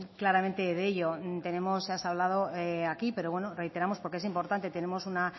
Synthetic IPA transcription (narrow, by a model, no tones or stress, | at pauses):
klaɾamẽnt̪e̞ðeʎo̞t̪e̞ne̞mo̞sːeasaβlað̞o̞eakipe̞ɾo̞βwe̞no̞re̞jt̪e̞ɾamospoɾkeesimpo̞ɾt̪ant̪e̞t̪e̞ne̞mo̞suna